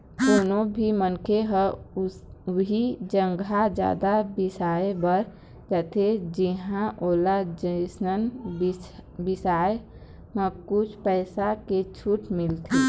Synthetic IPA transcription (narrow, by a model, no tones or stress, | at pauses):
k̪oːnobʱimənkeɦə | ɦid͡ʒəŋɡʱad͡ʒja̰ːd̪abisaebəɾ | d͡ʒət̪ed͡ʒiɦãʔolad͡ʒəɪsnən | bisae | mə̃kut͡ʃʰpɛɪsaket͡ʃʰuʈmilt̪ʰi